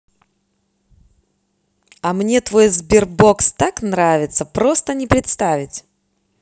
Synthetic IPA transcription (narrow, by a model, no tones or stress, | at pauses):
ɐmnʲe̞t̪vo̞jzbʲɪrbo̞kst̪aknɾavʲɪt̪səpɾo̞st̪ənʲɪpɾʲɪt̪st̪avʲɪtʲ